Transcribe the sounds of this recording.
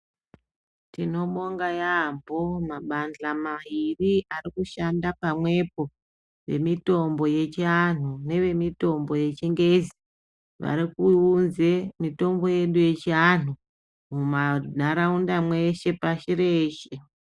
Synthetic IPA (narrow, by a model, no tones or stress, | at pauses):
tino̞mo̞ŋɡajampomaɓand͡ɮamaɦiriʔarikuʃandapamwe̞po̞ | ʋe̞mito̞mbo̞je̞t͡ʃian̤une̞ʋe̞mito̞mbo̞je̞t͡ʃiŋɡe̞zi | ʋa̰ɾikuunze̞mito̞mbo̞je̞ɗuje̞t͡ʃian̤u | mumanaɾaundamwe̞ʃe̞paʃire̞ːʃe